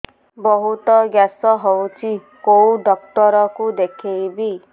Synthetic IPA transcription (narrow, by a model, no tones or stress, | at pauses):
bɔɦut̪ɔɡjasɔɦɔwt͡ʃʰi | kowd̪ɔk̚t̪ɔɾɔkud̪ekʰejbi